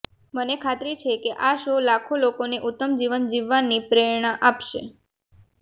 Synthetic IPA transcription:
mənekʰat̪ɾit͡ʃʰekeʔaʃolakʰolokoneʔut̪ːəmd͡ʒiʋənd͡ʒiʋːanːipɾeɭɳaʔapʃḛ

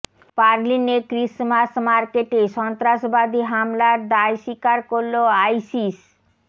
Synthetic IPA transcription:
paɾlinekɾismasmaɾkeʈeʃɔnt̪ɾaʃbad̪ʱiɦamlaɾd̪aeʃikaɾkoɾloajsis

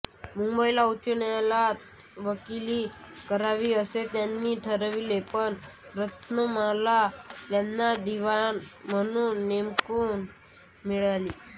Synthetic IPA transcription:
mumbəilaut͡ʃənjalat̪ | ʋəkilikəɾaʋiəset̪janːiʈʰəɾəʋilepəɳɾət̪nəmalat̪jɛmnad̪iʋanmənunemkun | miɭaliː

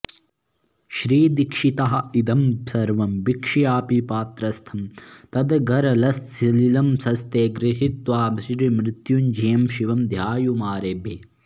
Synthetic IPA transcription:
ʃɾiːd̪ikʂit̪ɐɦɐ̆id̪ɐmsɐɾʋɐmbikʂijaːpipaːt̪ɾɐst̪ʰɐmt̪ɐd̪ɡɐɾɐlɐsːililɐmsɐst̪eːɡɾɪɦit̪ʋaːbʃɾimɾɪt̪jund͡ʒijɐmʃiʋɐmd̪ʱjaːjumaːɾeːbʱeː

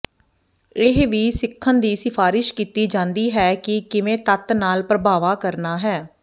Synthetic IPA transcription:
ɪɦʋiːsɪkʰːənd̪iːsɪpʰaːɾɪʃkiːt̪iːd͡ʒãːnd̪iːɦɛːkɪkɪʋẽːt̪ət̪naːlpɾəbaːʋaːkəɾnaːɦɛː

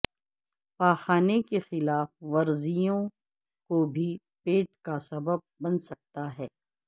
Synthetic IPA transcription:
paːxaːnekexɪlaːfʋɐɾzijõ | kobʱi | peːʈkasɐbəb̚ːɐ̃nsɐk̚t̪aɦɛː

